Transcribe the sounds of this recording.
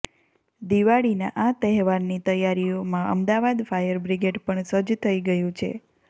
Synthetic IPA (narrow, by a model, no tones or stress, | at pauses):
d̪iʋaɭina̰ʔat̪əɦʋaɾnit̪əjaɾiomãʔə̰md̪aʋad̪fajəɾbɾiɡeɖpəɳsəd͡ʒt̪ʰəiɡəjũt͡ʃʰḛ